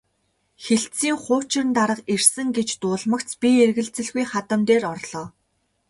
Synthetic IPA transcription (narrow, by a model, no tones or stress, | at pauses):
xeɬt͡siːŋχʊːt͡ɕɪ̆rnt̪aɾə̆qer̥sɘ̆ŋɡet͡ɕt̪ʊːɮmə̆kt͡spʲierɣɘ̆ɮt͡sɘ̆ɮɣujχat̪ə̆mt̪eːrɔrɮɔː